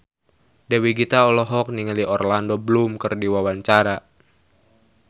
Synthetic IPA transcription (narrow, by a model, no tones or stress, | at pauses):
dɛwiɡit̪aɔlɔɦɔk̚niŋəliʔɔrlandɔbəlumkərdiwawaɲt͡ʃaɾa